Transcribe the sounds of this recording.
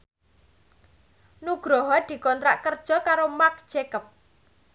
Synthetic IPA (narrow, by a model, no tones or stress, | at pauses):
nuɡ̥ɾɔɦɔd̪̥i̤kɔnt̪ɾaʔkərd̥ʒ̥ɔ̤kaɾomak̚d͡ʒ̥ekəp̚